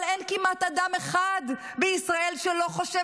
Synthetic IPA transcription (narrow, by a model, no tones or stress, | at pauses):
lenkimat̪ad̪ameχad̪ | beisʁae̞lʃelo̞χoʃe